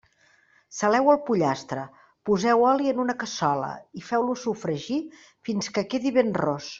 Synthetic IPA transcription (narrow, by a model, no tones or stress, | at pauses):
səlɛwəlˠpuʎast̪ɾə | puzɛwɔliənunəkəsɔlə̰ifɛwlusufɾəʒi | finskəkeðiβenrɔs